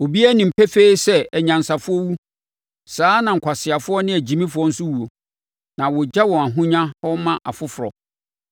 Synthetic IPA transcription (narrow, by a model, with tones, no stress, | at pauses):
o˨bi˦æ˦nɪ̃˨m̩˨pʰɛ˦fe˦sɛ˦ɛ˨ɲã˨n˨sa˨fʊ˦ɔ˦wu˦ | saː˨˦nã˨ŋ̩˨kʰa˨sɪ˨a˨fʊ˦ɔ˦nɪ̃˦æ˨d͡ʑi˨mĩ˦fʊ˨˦ɔ˦n̩˦sʊ˦wu˨o˨ | nã˨wɔ˨d͡ʑa˦wɔ̃˨a˨ɦʊ̃˦ɲã˦hɔ˦mã˦ʔa̰˨fʊ˦fʊ˨ɾɔ̰˨